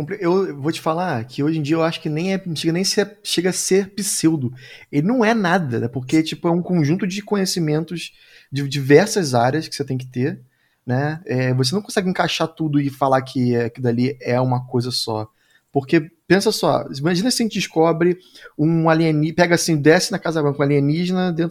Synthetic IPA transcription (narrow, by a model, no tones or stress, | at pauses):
kõpɾiewvot͡ʃɪ̥falakʰɪoʒẽd͡ʒiɐewaʃʊ̥kɪnẽj̃ɛ̃ʃeɡɐnẽj̃sɛʃeɡɐaseɾpisewd̪ʊelɪnɐ̃w̃ɛnad̪ɐnɛpoχket͡ʃipʊɛũkõʒũnt̪ʊd͡ʒɪkõɲesimẽnt̪ʊʃ | d͡ʒɪd͡ʒivɛɾsɐzaɾjɐskɪ̥set̪ẽj̃k̬ɪ̥t̪eɾ | nɛɛvos̬enɐ̃w̃kõsɛɡɪẽkaʃat̪ud̪ʊɪfalakʰɪakid̪aliɛũmɐkojzɐsɔ̰ | poχkepẽsɐsɔ̰imaʒĩnɐsɪɐʒẽt͡ʃɪd͡ʒɪʃkɔbɾɪũaliɐ̃nipɛɡɐasĩd̪ɛsɪnɐkazɐbɾɐ̃kɐ̃aliɐ̃niʒnɐd̪ẽt̪